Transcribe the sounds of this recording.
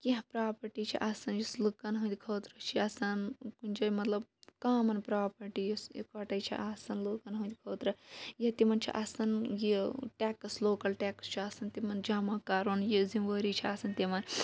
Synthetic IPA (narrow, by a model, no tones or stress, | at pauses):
kiɦpɾaːpɐɾʈit͡ʃʰḭʔasɐnjuslukɐnɦũnt̪ʲikʰoːt̪ɾɐt͡ʃʰiɐsɐnkunʲd͡ʒɐmɐt̪lɐb̚kaːmɐnpɾaːpɐɾʈijuskɐʈɐjt͡ʃʰḭʔasɐnlukɐnɦũnt̪ʲkʰoːt̪ɾɐjit̪imɐnt͡ʃʰḭʔɐsɐnjiʈɛːksloːkɐlʈɛːkst͡ʃʰiɐsɐnt̪imɐnd͡ʒaːmaːkaːɾoːnjizimʋəːɾit͡ʃʰiasɐnt̪imɐn